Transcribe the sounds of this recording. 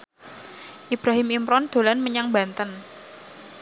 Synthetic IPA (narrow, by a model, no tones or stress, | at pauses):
ʔib̥ɾaɦɪmimɾɔnd̪̥o̤lanməɲaŋbant̪ən